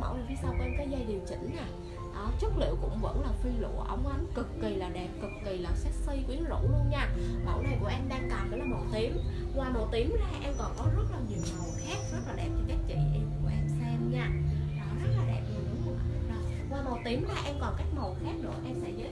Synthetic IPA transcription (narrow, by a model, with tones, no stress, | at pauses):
mə̰˧˩wli˨˩vi˧sa˧wkʔɛ˧mkɔː˨˦jzə˧jɗi˨˩əwt͡ɕḭ̈˧˩ŋ̟naː˨˩ | ʔɔ˨˩t͡ɕə˦˥t̚lḭ˧˨əwkʊ̰˧˥ŋ͡mvə̰˧˥nlaː˨˩fi˧lṵ˧˨əʔə˧wŋ͡mkʔa˨˦nkɨ˨˩kːi˨˩laː˨˩ɗɛ˨˩p̚kɨ˨˩kːi˨˩laː˨˩sɛ˦˥t̚si˧jkwi˨˦ənzṵ˧˨˥lu˧ənɲaː˧mə̰˧˩wna˧˩jku˧˩əʔɛ˧mɗaː˧ŋkaː˨˩mkə˨˦lɔ˨˦mo˨˩t̪i˨˦əm | kwaː˨˩mo˨˩t̪i˨˦əmzaː˧ʔɛ˧mkɔ˨˩nkɔ˨˦zə˦˥t̚laː˨˩ɲi˨˩əwmə˨˩wxaː˦˥k̚zə˦˥t̚laː˨˩ɗɛ˨˩p̚t͡ɕɔ˧˩t͡ɕa˦˥k̚t͡ɕɛ̰˧˨ʔɛ˧mkṵ˧˩əʔɛ˧msɛ˧mɲaː˧ɗɔ˨˦zə˦˥t̚la˨˦ɗɛ˨˩p̚ni˨˩ɗʊ˨˦ŋ͡mə̰˧˩˨ɗɔ˨˦ | waː˨˩mo˨˩t̪i˨˦əmzaː˨˧ʔɛ˧mkɔ˨˩nka˦˥jk̚mə˨˩wxaː˦˥k̚nɨ̰˧˩əʔɛ˧msɛ̰˧˥zɨ̰˧˥